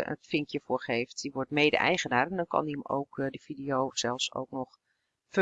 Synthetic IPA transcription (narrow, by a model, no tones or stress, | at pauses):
ə̰tfɪŋkjəfʊːɹxeːftd̥iʋɔtmeːdə̰ʔɛ̰jɣənaːrɛndɔnkʰɔ̰niəmo̰wkdəfidijowsɛlˠfso̰wknɔx | fə